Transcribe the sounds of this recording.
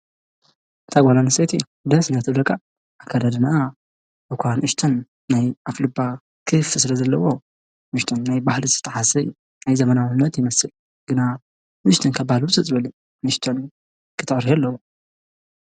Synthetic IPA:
t̪ʰaɡʷalaniset̪ʰi | d̪ɐsnɐt̪ʰɨd̪ɐkʼaː | kʰːad̪ad̪ɨna | bɨkʷʰanʔɨʃt̪ʰɐnː | ajʔaflɨba | kʰɨfɨsɨlɐzɐlːɐwo | nɨʃt̪ʰonːajbahlizɨ̥t̪ʰːɐħasɐj | najzɐmɐnawnːɐt̪jɪmɐsɨl | ɡ̥ɨna | nɨʃt̪ʰonkʰabbahlbɨt͡sʼɨt͡sʼɨbɐlɨ | nɨʃt̪ʰon | kʰɨt̪ʰɨʕɾiɛalːɐwo

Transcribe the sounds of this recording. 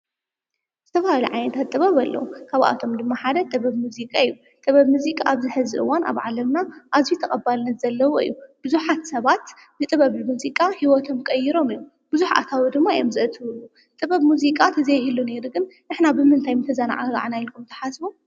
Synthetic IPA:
zɨt̪ʰɐfahalḭʕajnɐt̪ʰat̪tʼːɨβɐβɐlːɐ̰wukʰaβʔa̰t̪ʰo̞md̪ɨmːaħad̪ɐt̪ʼɨβɐβmuzikʼaijːu | t̪ʼɐβɐβmuzikʼaːβzɨħɨzɨʔɨ̰wanʔa̰βʕalɐmnaʔazijut̪ʰɐχʼɐbalnːɐt̪z̥ɐlːɐwoɨ̰jːub̥ɨzuħat̪sɐβat̪ | bɨt̪ʼɨβɐβmuzikʼahiwɔt̪ʰo̞mkʼɐjiɾo̞mɨjːu | b̥ɨzuħa̰t̪ʰawid̪ɨmːaijomzɨʔɨt̪ʰɨβɨlːu | t̪ʼɨβɐβmuzikʼat̪ʰɨzɐjɦɨlːune̞ɾuɡɨnnɨħnabɨmɨnt̪ʰajmɨt̪ʰɐzana̰ʕaɡa̰ʕnajlkʰumt̪ʰɐ̥ħasbu

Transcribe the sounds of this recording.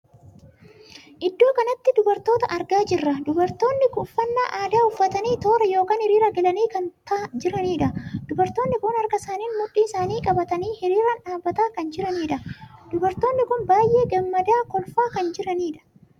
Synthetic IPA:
ʔɪd̪ːo̞ːkɐnɐt̪ːɪd̪ʊbɐɾt̪o̞ːt̪ɐʔɐɾɡaːd͡ʒɪrːɐd̪ʊbɐɾt̪o̞ːnːɪkʊfːɐnːa̰ːʔaːd̪aːʊfːɐt̪ɐniːt̪o̞ːɾɐjo̞ːkaːnhɪɾiːɾɐɡɛlɐniːkɐnt̪ɐd͡ʒɪɾɐniːᶑɐd̪̥ʊbɐɾt̪oːnːɪkʊnɐɾɡɐsaːniːnmʊᶑːiːɪsaːniːkʼɐbɐt̪ɐniːhɪɾiːɾɐnᶑaːbːɐt̪aːkɐnd͡ʒɪɾɐniːᶑɐd̪̥ʊbɐɾt̪o̞ːnːɪkʊnbaːjʔe̞ːɡɐmːɐd̪aːkɔlfaːkɐnd͡ʒɪɾɐniːᶑɐ̥

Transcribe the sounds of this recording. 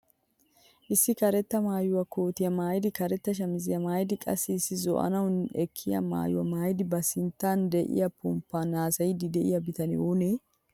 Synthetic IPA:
ʔɪsːɪkɐɾɛt̪ːɐmaːjʊwɐkoːt̪ɪjɐmaːjɪd̪ɪkɐɾɛt̪ːɐʃ̬ɐmɪzɪjɐmaːjɪd̪ɪkʼɐ̰sːɪːsːɪzɔ̰ʔɐ̰nɐwnɛkʰːɪjɐ̰ma̰ːjʊwɐ̰maːjd̪ɪbɐsɪnt̪ːand̪ɛʔɪ̰jɐpʊmpːanaːsɐjɪd̪ɪd̪ɛʔɪ̰jɐbɪt̪ɐnɪ̰one

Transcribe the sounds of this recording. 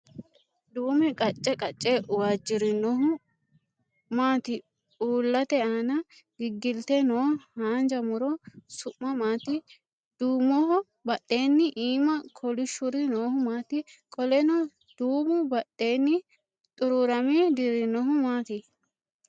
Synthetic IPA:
d̪uːmɛkʼɐt͡ʃʼːɛkʼɐt͡ʃʼːɛwaːd͡ʒːɪɾɪnːɔɦʊ | maːt̪ɪ | uːlːɐt̪ɛaːnɐ | ɡɪɡːɪlt̪ɛnoːhaːnd͡ʒɐmʊɾɔsʊʔːɐmaːt̪ɪ | d̪̥uːmːɔɦɔ | bɐɗːeːnːɪʔiːmɐkʰɔlɪʃʊɾɪnoːhʊmaːt̪ɪkʼɔlɛnɔ | d̪̥uːmʊbɐɗːeːnːɪ | t̪ʼʊɾʊɾɐmɛd̪ɪɾɪnːɔɦʊmaːt̪ɪ

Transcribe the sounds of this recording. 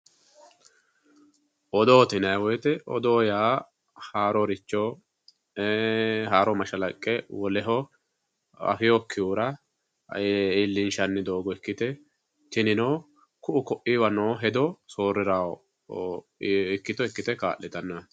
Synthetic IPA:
ʔɔd̪oːt̪ɪnɐjwɔjt̪ɛʔɔ̰d̪oːjaː | haːɾɔɾɪt͡ʃːo | ɦaːɾɔmɐʃɐlɐkʼːɛwɔlɛɦɔ | ɐ̰fɪjokʰːɪjuːɾɐ | ilːɪnʃɐnːɪd̪o̞ːɡɔɛkːɪt̪ɛ | t̪ɪnɪnoː | kʊʔʊkɔʔiwɐnoːɦɛd̪ɔso̞ːɾɪɾaw | ɪkːɪt̪ɔɪkːɪt̪ɛka̰ːʔːɛt̪ɐnːɐ

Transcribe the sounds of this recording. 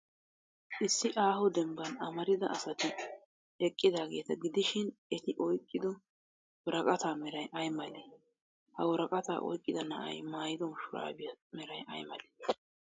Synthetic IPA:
ʔɪsːɪʔaːhɔd̪ɛmbɐnɐmɐɾɪd̪ɐʔɐsɐt̪ɪ | ɛkʼːɪd̪aːɡe̞ːt̪ɐɡɪd̪ɪʃɪnɛt̪ɪʔɔjkʼːɪd̪ɔ | wɔɾɐkʼɐt̪aːmɛɾɐjʔɐjmɐle | hɐwɔɾɐkʼɐt̪a̰ːʔɔ̰jkʼːɪd̪ɐnɐ̰ʔɐ̰jmaːjɪd̪ɔnʃʊɾa̰ːbɪjɐmɛɾɐjɐ̰jmɐ̰le̥ː

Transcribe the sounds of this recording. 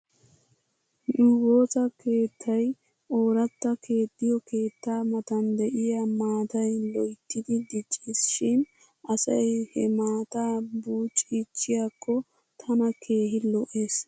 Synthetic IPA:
ɗuɡo̞ːtɐkʰe̞ːt̪ʰːɐj | ʔo̞ːɾɐt̪ːɐkʰe̞ːd̪ːɪjɔke̞ːt̪ːaːmɐt̪ɐnd̪ɛʔɪjamaːt̪ɐjlɔjt̪ːɪd̪ɪd̪ɪt͡ʃʼːiːsʃɪn | ʔɐsɐjhɛmaːt̪aːbuːt͡ʃʼiːt͡ʃʼːɪjakʰːɔ | t̪ʰɐnɐkʰe̞ːɦɪlɔʔe̞ːs

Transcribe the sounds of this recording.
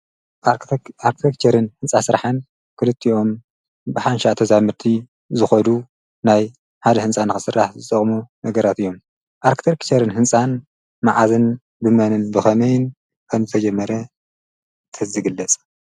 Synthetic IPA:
aɾkt̪ʰekt͡ʃʰɐɾɨnhɨnsʼasɨɾħan | kʰɨlɨt̪ʰːiʔo̞m | bɨħanʃat̪ʰɐzamɨɾt̪ʰi | zɨxɐd̪u | naj | ħad̪ɐhɨnsʼanɨxɨsɨrːaħzɨt̪ʼɐχʼmunɐɡɐɾat̪ɨjːo̞m | ʔaɾkt̪ʰekt͡ʃʰɐɾɨnhɨnt͡sʼan | maʕazɨn | bɨmɐnɨnbɨxɐmɐjɪn | kʰɐnzɨt̪ʰɐd͡ʒɛmːɐɾɐ | t̪ʰɨzɨɡɨlːɐt͡sʼ

